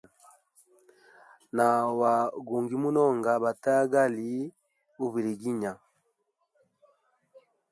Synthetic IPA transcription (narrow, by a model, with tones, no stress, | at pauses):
na˨wa˨ɡu˨ŋɡi˨mu˦nɔ˦˨ŋɡa˨ba˨ta˦ɡa˦li˨˦ | u˦βi˨ɾi˨ɡi˦ɲa˨